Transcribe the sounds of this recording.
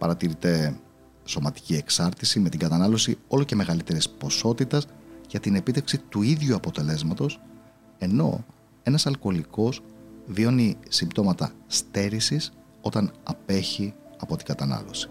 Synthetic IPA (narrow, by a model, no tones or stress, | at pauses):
pɐɾɐt̪iɾit̪e̞ | so̞mɐt̪i̥cie̞ksɐɾt̪isime̞t̪iŋɡɐt̪ɐnɐlo̞sio̞loce̞me̞ɣɐlit̪e̞ɾispo̞so̞t̪it̪ɐsʝɐt̪ine̞pit̪e̞fksit̪uiðʝuɐpo̞t̪e̞le̞zmɐt̪o̞s | e̞no̞̰ | e̞nɐsɐlko̞liko̞zvio̞nisimbt̪o̞mɐt̪ɐ̰st̪e̞ɾisis | o̞t̪ɐnɐpeçi | ɐpo̞t̪iɡɐt̪ɐnɐ̰lo̞̰si̥